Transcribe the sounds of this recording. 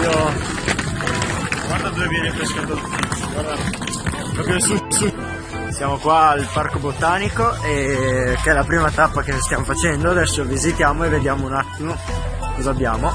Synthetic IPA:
o | ɡward̪ad̪ovevjɛːnepeskad̪od̪ut̪it̪soɡward̪a | ɔpjosisi | sjaːmokwaːlparkobot̪aːnikoekeɛlapɾiːmat̪apːakest̪jaːmofat͡ʃɛnd̪oad̪ɛsːovizit̪jaːmoevːed̪jaːmounat̪ːimo | kozabːjaːmo

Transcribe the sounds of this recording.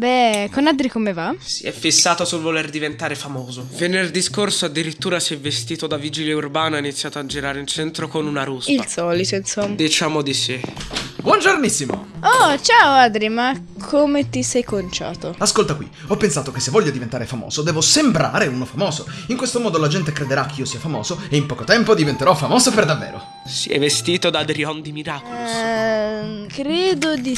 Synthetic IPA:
bɛkonad̪ɾikomevasḭɛfːisːaːt̪osulvolerd̪ivent̪aːɾefamoːzovenerd̪iskorsoad̪ːiɾit̪ːuːɾasɛvːest̪iːt̪od̪avid͡ʒiljeurbaːnainit̪sːjaːt̪oad͡ʒiɾaːɾeilt͡ʃɛnt̪ɾokonunaɾusilsɔːlit̪oinsomːd̪it͡ʃaːmod̪isibwɔnd͡ʒornisːimo̰ot͡ʃaoad̪ɾimakʰomet̪isɛjkont͡ʃa̰ːt̪oaskolt̪akwḭ | ɔpːensaːt̪ok̟esːevːɔʎːod̪ivent̪aːɾefamɔ̰ːz̥od̪ɛːvosembɾa̰ːɾeunofamɔːzoiŋkwest̪omɔːd̪olad͡ʒɛnt̪ekɾed̪eɾak̟ʰːeiːosiːafamɔ̰ːzoeimpɔːkot̪ɛmpod̪ivent̪eɾɔfamɔːzoperd̪avːɛ̰ːɾo̰ | siɛ̰vːest̪iːt̪od̪ad̪ɾiɔnd̪imiɾaːkol | kɾɛːd̪od̪i

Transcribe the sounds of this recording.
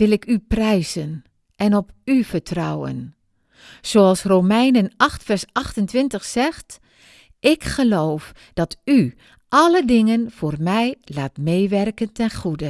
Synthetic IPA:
ʋɪlˠɪkyprɛjzən | ʔɛnɔpyfətrɔwə̰n | soɑlˠsroːmɛjnənɑxtfɛrsɑxtəntʋɪntəxsɛxt | ʔɪkxəloːf | d̥ɑty | ʔɑlədɪŋənv̥oːrmɛjlaːtmeːʋɛrkəntɛnxudə

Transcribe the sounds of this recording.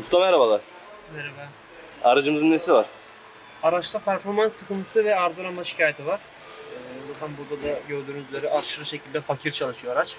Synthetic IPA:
ust̪ˠamɛaɾabalˠaɾ̥ | mɛɾeba | aɾɯd͡ʒɯmɯzɯnːesivaɾ̥ | aɾat͡ʃlˠapʰæɾfo̞ɾmansːɯkʰɯnt̪ʰɯsɯvɛaɾzɯɾˠanmaʃi̥cʰaːjet̪ʰivaɾ̥ | ɯːzat̪ʰanbuɾd̪ad̪aɟøɾd̪yɾynd͡ʒ̪ylʲeɾiʔaɾʃɯɾɯʃecʰilʲd̪ɛfacʰiɾt͡ʃʰalˠɯʃɯjoɾat͡ʃ

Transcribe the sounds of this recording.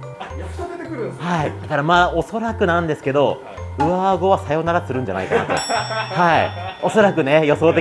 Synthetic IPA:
haid̪akaɾamaːo̞so̞ɾakɯ̟nãnd̪e̞sɨ̥ke̞d̪o̞ | ɯ̟aɡo̞βasajo̞naɾat͡sɨɾɯ̟̃ɲ̟d͡ʑana̰ikana̰t̪o̞̰haio̞so̞ɾakɯ̟ne̞jo̞so̞ːt̪e̞

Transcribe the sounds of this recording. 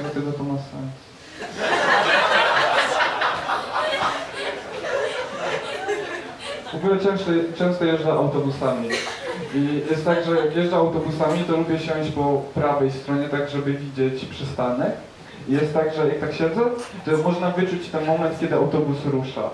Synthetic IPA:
ɡɛt̪ɛɡ̪ɔt̪ɔmasɛns | vɔɡulɛt͡ʂɛ̃w̃st̪ɔt͡ʂɛ̃w̃st̪ɔjɛʐdaʔawt̪ɔbusamʲiijɛst̪t̪ːaɡʐɛjakjɛʐdaawt̪ɔbusamʲit̪ɔlubʲɛɕɔ̃w̃ɕpɔpɾavɛjst̪ɾɔɲɛt̪aɡʐɛbɘvʲid͡ʑɛt͡ɕpʂɛst̪anɛk | ijɛst̪ːaɡʐɛjak̚t̪akɕɛnd̪zɛʐɛmɔʐnavɘt͡ʂut͡ɕt̪ɛnmɔmɛnt̪kʲɛd̪ɘawt̪ɔbusɾuʂa̰

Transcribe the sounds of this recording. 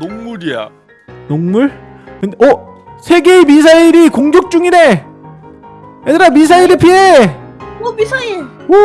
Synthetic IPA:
noŋmuɾija̰ | noŋmuɭ | kɯndeʌsʰe̞ɡemisʰaiɾikoŋd͡ʑjok̚t͡ɕ͈uŋine̞ | edɯɾamis̬ʰaiɾɯpʰie | omisʰaio

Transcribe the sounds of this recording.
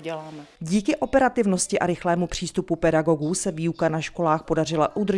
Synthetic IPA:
ɛlaːmɛɟiːkɪʔo̞pɛɾat̪ɪvno̞scɪʔaɾɪxlɛːmupr̝̥iːst̪upupɛdaɡo̞ɡuːsɛviːukanaʃko̞laːxpodar̝ɪlaʔud̪r

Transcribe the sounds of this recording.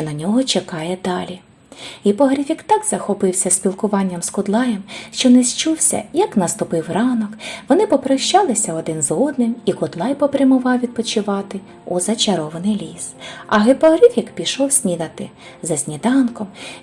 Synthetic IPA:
t͡ʃɔnɐnʲɔɦɔt͡ʃekɑjɛd̪ɑlʲi | ɦɪpɔɦɾʲɪfʲikt̪ɑɡz̥ɐxɔpɪwsʲɐsʲpʲilˠkʊʋɑnʲːɐmskʊd̪lˠɑjɛmʃt͡ʃɔnɛst͡ʃuwsʲɐ̰jɐknɐst̪ʊpɪwrɑnɔkʋɔnɪpɔpɾɐʃt͡ʃɑlˠɪsʲɐɔd̪ɪnzɔd̪nɪmikʊd̪lˠɑjpɔpɾʲɐmʊʋɑwʋʲid̪̚pɔt͡ʃɪʋɑt̪ɪ | uzɐt͡ʃɐɾɔʋɐnɪjlʲisɐɦɪpɔɦɾifʲikpʲiʃɔwsʲnʲid̪ɐt̪ɪ̰ | zɐsʲnʲid̪ɑnkɔm

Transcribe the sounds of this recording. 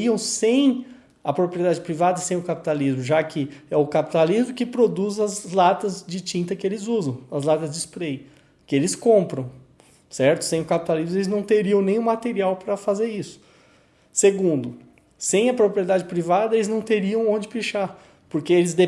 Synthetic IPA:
iɐ̃w̃sẽj̃ | ɐpɾopɾied̪ad͡ʒɪpɾivad̪ɐsẽj̃ʊkapi̥t̪alizmʊʒakʰɪɛʊkapi̥t̪alizmʊkɪpɾod̪uzɐzlat̪ɐzd͡ʒɪt͡ʃĩnt̪ɐkɪelɪzuzɐ̃w̃ɐzlat̪ɐzd͡ʒɪspɾej | kɪelɪskõpɾɐ̃w̃ | sɛɾt̪ʊ̥sẽj̃ʊkapi̥t̪alizmʊelɪznɐ̃w̃t̪eɾiɐ̃w̃nẽj̃ũmat̪eɾiawpɾɐfazeɾisʊ̥ | seɡũnd̪ʊ | sẽj̃ɐpɾopɾied̪ad͡ʒɪpɾivad̪ɐelɪznɐ̃w̃t̪eɾiɐ̃w̃õd͡ʒɪpiʃa | poɾkeelɪzd̪e

